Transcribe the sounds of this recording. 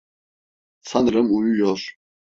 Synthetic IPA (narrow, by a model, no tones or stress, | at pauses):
sʰanɾɨmujujɔɾ